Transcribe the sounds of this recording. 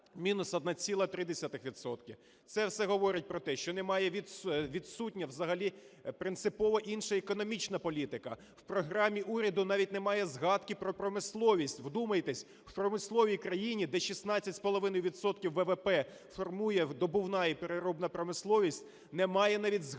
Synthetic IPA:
mʲinʊsɐd̪̚nɑt͡sʲilˠɐt̪ɾɪd̪esʲat̪ɪxʋʲid̪sɔt̪kʲɪ | t̪sɛwsɛɦɔʋɔɾʲɪt̚ʲpɾɔt̪ɛʃt͡ʃɔnɛmɑjɛʋʲiʋʲid̪sutʲnʲɐwzɐɦɐlʲi | pɾɪnt̪sɪpɔʋɔʔinʃɐekɔnɔmʲit͡ʃnɐpɔlʲit̪ɪkɐ | w̥pɾɔɦɾɑmʲiʔuɾʲɐd̪ʊnɑʋʲitʲnɛmɑjɛzɦɑt̪kɪpɾɔpɾɔmɪslˠɔʋʲisʲtʲwd̪umɐjt̪ɛsʲ | wpɾɔmɪslˠɔʋʲijkɾɐjinʲid̪ɛʃʲisnɑt͡sʲːɐtʲspɔlˠɔʋɪnɔjʊʋʲidt̪sɔt̪̚kʲiwːɛʋɛpɛ | fɔrmujɛd̪ɔbʊwnɑipeɾeɾɔbnɐpɾɔmɪslˠɔʋʲisʲtʲ | nɛmɑjɛnɑʋʲidʲz

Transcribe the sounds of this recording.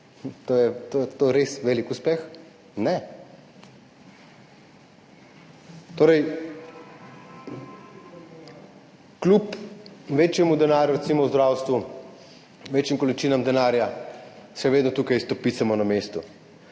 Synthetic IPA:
t̪oːjɛt̪ot̪oːɾesʋeːlikuspɛx | nɛ | t̪oːɾɛj | klupʋeːt͡ʃjɛmud̪ɛnaːɾjuɾɛt̪simɔwzd̪ɾawst̪ʋu | ʋet͡ʃjimkɔlit͡ʃiːnamd̪ɛnaːɾjaʃɛʋeːd̪nɔt̪uːkajst̪ɔpiːt̪samɔnamest̪u

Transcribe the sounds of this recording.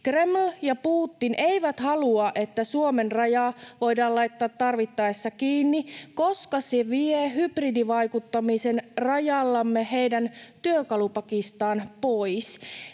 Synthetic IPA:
kremljɑpuːt̪ːinʔeiʋæt̪hɑluɑʔe̞t̪ːæsuomenrɑjɑːʋo̞jdɑːlɑjt̪ːɑːt̪ːɑrʋit̪ːɑesːɑkiːnːiko̞skɑseʋieɦybridiʋɑjkut̪ːɑmisenrɑjɑlːɑmːeɦe̞jdænt̪yøkɑlupɑkist̪ɑːnpojs

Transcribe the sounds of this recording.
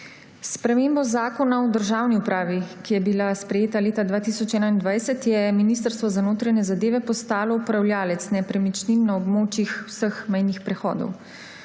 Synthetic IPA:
spɾɛmeːmbɔzaːkɔnaɔd̪əɾʒaːwniupɾaːʋikijɛbilaspɾɛjeːt̪aleːt̪ad̪ʋaːt̪isɔt͡ʃɛːnaind̪ʋajsɛt̪jɛminiːst̪əɾst̪ʋɔzanoːt̪ɾaɲɛzad̪eːʋɛpɔst̪aːlɔupɾawljaːlɛt̪snɛpɾɛmit͡ʃninːaɔbmoːt͡ʃixwsəxmɛjnixpɾɛxɔ̰ːd̪ɔ̰w

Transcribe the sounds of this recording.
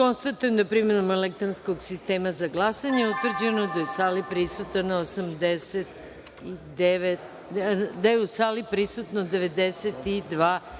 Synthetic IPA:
ko̞nst̪at̪ujemd̪apɾimenomelek̚t̪ɾonsko̞ɡsist̪e̞ːmazaɡlˠasaɲeeut̪vr̩d͡ʑe̞no̞d̪ajeusaːlipɾisut̪anaosamd̪eset̪̚ | id̪eʋet̪ | d̪ajeusaːlipɾisut̪nod̪eʋe̞d̪eset̪id̪ʋaː

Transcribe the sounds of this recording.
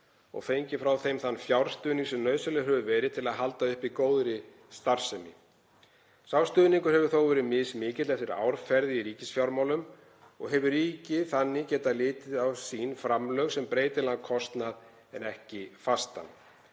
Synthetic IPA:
ɔ̰ɣfejɲcɪfɾawθejmθanːfjawɾ̥st̪ʏːðniŋsɛmnœːɥsʏlɛɦœvʏvɛːɾɪðt̪ʰɪlaðɦalt̪aʏhpikoːwðɾɪ | st̪aɾ̥sɛmɪ | sawst̪ʏːðniŋkʏ̥hɛvʏɾ̥θoːwvɛːɾɪmɪsmɪːcɪt̪lɛft̪ɪɾa̰ːwɾ̥fɛɾðɪiɾiːcɪsfjawɾmawlʏm | ɔɣɦɛvʏriːcɪθanːɪcɛːt̪alɪːt̪ɪðawsiːnfɾamlœɣsɛmpɾeːjt̪ɪlan̚kʰɔst̪nað | ɛnɛhcɪfast̪a̰n

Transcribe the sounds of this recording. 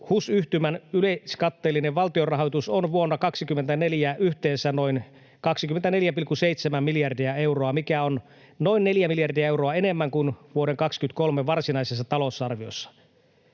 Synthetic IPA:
husyht̪ymænyleskɑt̪ːeːlːineʋʋɑlt̪iorɑɦojt̪usonʋuonːɑkɑksikymːent̪æneljæʔyht̪eːsænoin | kɑksikyment̪æne̞ljæpilkːuseit̪semæmmiljɑrdiɑe̞wroɑmikæon | no̞inːeljæmiljɑrdiæewroɑenemːæŋkunʋuoɾeŋkɑkskyt̪̚ko̞lmeʋɑrsinɑises̬ːɑt̪ɑlo̞sɑrʋio̰sːɑ̥

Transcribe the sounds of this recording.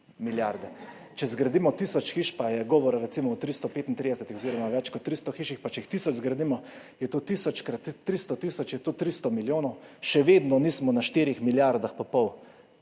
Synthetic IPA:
miljaɾd̪ɛ | t͡ʃɛzɡɾad̪imɔt̪isɔt͡ʃxiʃpajɛɡɔːʋɔɾaɾɛt̪simɔːt̪ɾist̪ɔpeːt̪int̪ɾid̪ɛsɛt̪ixɔziːɾɔmaʋɛt͡ʃkɔt̪ːɾist̪ɔxiʃixpat͡ʃɛixt̪isɔd͡ʒzɡɾad̪iːmɔ | jɛt̪oːt̪isɔt͡ʃkɾat̪t̪ːɾist̪ɔt̪isɔt͡ʃjɛt̪ot̪ɾist̪ɔmiljoːnɔwʃɛʋeːd̪nɔniːsmɔnaʃt̪iɾixmiljaɾd̪axpɔpɔw

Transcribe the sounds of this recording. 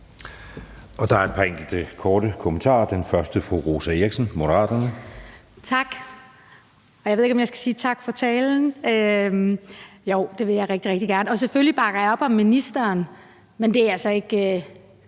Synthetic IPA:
ɒ̽d̥ɑ̈æɐed̥̚pʰæeŋɡ̥l̩d̥əkʰɒːɾ̥əkʰomənt͡sʰɑ̰̈ːd̥enfɶɐsd̥əfʁuʁo̝ːsæeɡ̥sənmo̝ɾ̥əʁɑ̰̈ːd̥ɐnət͡sʰɑ̈ɡ̥ | ɒjɑ̈e̝ðˠe̝̥ɒ̽mjɑɪsɡ̥æ̥siːt͡sʰɑ̈ɡ̥fɒ̽t͡sʰɛːln̩ø | joʊ̰d̥e̝ʋe̝jɑ̈ɪʁɛɡ̥d̥iʁɛɡ̥̚d̥iɡ̥æɐnəɒ̽s̬eføllib̥ɑ̈ɡ̥ɐjɑɒ̽b̥ɒ̽mːinisd̥ɐːn | mend̥e̝ææsɒ̽e̝ɡ̥

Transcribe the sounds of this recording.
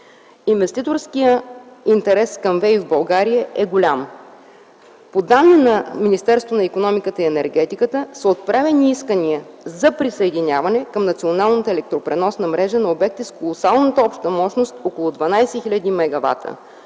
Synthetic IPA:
invɛst̪it̪oɾskijəint̪ɛɾɛskɐmvɛivbɐlˠɡaɾijəʔɛɡolʲam | pod̪anːinɐminist̪ɛɾst̪vonɐikonɔmikət̪əiɛnɛɾɡɛt̪ikət̪əsəot̪̚pɾavɛniiskəniəzɐpɾisɐɛd̪inʲjavɐnɛkɐmnɐt̪sionalˠnət̪əɛlɛk̚t̪ɾopɾɛnɔsnɐmɾɛʒənɐobɛk̚t̪iskolˠosalˠnət̪əɔpʃt̪əmɔʃnost̪okolˠʊd̪vɐnajsɛxilʲəd̪imɛɡɐva̰t̪ʰə̰

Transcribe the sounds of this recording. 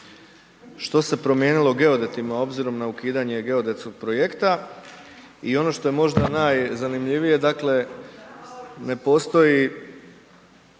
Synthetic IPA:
ʃt̪o̞se̞pɾo̞mje̞ːnilˠo̞ɡe̞od̪e̞t̪imao̞bziɾo̞mnaukiːd̪aɲe̞ɡe̞o̞d̪e̞t̪sko̞ɡ̥̚pɾo̞je̞kt̪a | io̞no̞ʃt̪o̞je̞mo̞ʒd̪anajzanimʎiʋije̞d̪akle̞ | ne̞po̞ːst̪o̞ji

